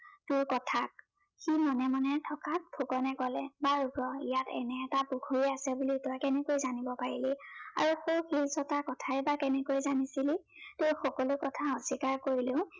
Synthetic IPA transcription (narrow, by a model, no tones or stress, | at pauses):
tʊɹkɔtʰak̚ | ximɔnɛmanɛtʰɔkat̚pʰukɔnɛkɔlɛbaɹuɡɹɔijatɛ̰nɛːtapuɡʰʱuɹiasɛbulitɔjkɛnɛkojzanibɔpaɹilia̰ɹuxowkʰilsɔtakɔtʰaɛbakɛnɛkojzanisili | tʊjxɔkɔlʊkɔtʰaɔsikaɹkoɹilẽʊ̃